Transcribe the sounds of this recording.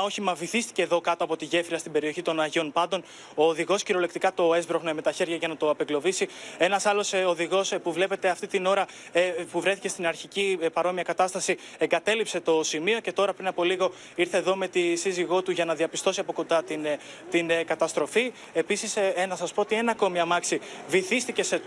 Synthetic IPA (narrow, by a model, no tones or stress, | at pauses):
o̞çimɐviθist̪i̥ce̞ːðo̞kɐt̪oɐpo̞t̪iʝe̞fɾiɐst̪ibe̞ɾio̞çit̪o̞nɐʝo̞npɐnd̪o̞n | o̞ːðiɣo̞sciɾo̞le̞kt̪ikɐt̪o̞e̞zbɾoɣnome̞t̪ɐçe̞ɾʝɐʝɐnɐt̪o̞ɐpeɡlo̞visie̞nɐsɐlo̞soðiɣo̞spuvle̞pe̞t̪e̞ɐft̪it̪ino̞ɾɐ | puvɾe̞θice̞st̪inɐɾçicipɐɾo̞miɐkɐt̪ɐst̪ɐsi | e̞ŋɡɐt̪e̞lipse̞t̪o̞simio̞ce̞t̪o̞ɾɐpɾinɐpo̞liɣo̞ | iɾθeːðo̞me̞t̪isiziɣo̞t̪uʝɐnɐðiɐpist̪o̞siɐpo̞ko̞nd̪ɐt̪in | t̪inkɐt̪ɐst̪ɾo̞fi | episisnɐsɐspo̞ot̪ie̞nɐko̞miɐmɐksiviθist̪ice̞se